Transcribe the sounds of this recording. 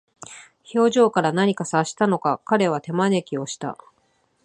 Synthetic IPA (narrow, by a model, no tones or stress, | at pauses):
ço̞ːʑo̞ːkaɾanaɲ̟ikasaɕi̥t̪ano̞kakaɾe̞β̞at̪e̞mane̞kʲio̞ɕi̥t̪a̰